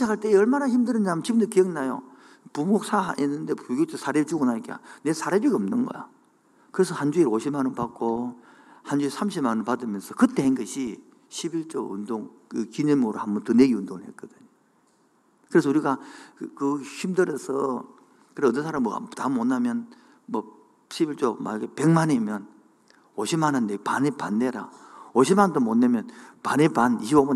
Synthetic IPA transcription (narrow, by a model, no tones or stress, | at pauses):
iɕʰakʰaɭt͈e̞ʌɭmanaçimdɯɾɯnamt͡ɕibɯndokejɯŋnajo̰ | pumok̚sʰa̰enːɯnde̞puɡjot͡ɕ͈ʰesʰaɾet͡ɕuɡonaikea̰ne̞sʰaɾebiɡaʌmnɯnɡʌ̰jo | kɯɾe̞sʰʌhand͡ʑuiɾoɕʰimanɯnpak͈o | hand͡ʑuisʰamɕʰimanɯnpadɯmjʌnsʰʌkɯt͈e̞henɡʌɕʰi | ɕʰibiɭt͡ɕ͈ʌṵndoŋ | kɯkinemoɾohambʌntɯne̞ɡiundoŋhek͈ʌdɯɲo | kɯɾe̞s̬ʰʌuɾiɡakɯçimdɯɾʌsʰʌ | kɯɾeʌt̬ːʌnsʰaɾam̰tamonːamjʌn | mʌ | ɕʰibiɭt͡ɕ͈oma̰ɡepe̞ŋmanemjʌn | oɕʰimanandepanepanːeɾa̰oɕʰimandomonːemjʌnpanepaniɕʰiboman